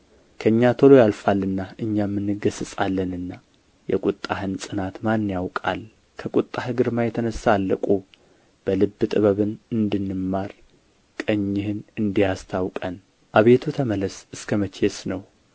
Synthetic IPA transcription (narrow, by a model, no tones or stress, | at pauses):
kʰəɨɲːat̪ʰolojalfalːɨnːaʔɨɲːamːɨnːɨɡəsɨsʼalːənɨnːa | jɛ̰kʼut̪ʼːahɨnsʼɨnat̪manːjawkʼa̰l | kʰəkʼut̪ʼːahɨɡɨɾmajɛt̪ʰənəsːaːlːə̰kʼu | b̥əlɨbːɨt̪ʼɨβəβɨnɨnd̪ɨnːɨmːaɾ | kʼəɲːɪhɨnɨnd̪ijast̪ʰawkʼən | ʔaβe̞t̪ʰut̪ʰəmələsɨskʰəmət͡ʃʰesnəw